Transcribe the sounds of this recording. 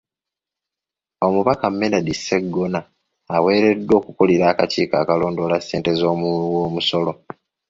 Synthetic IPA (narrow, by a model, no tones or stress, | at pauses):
o̞muβakamːeladisːe̞ɡːonaː | we̞ːɾe̞dːo̞ːkukoliɾaːkaciːka̰ːkalo̞ːndoːlasːe̞ːnte̞zo̞ːmuluwoːmuso̞lo̞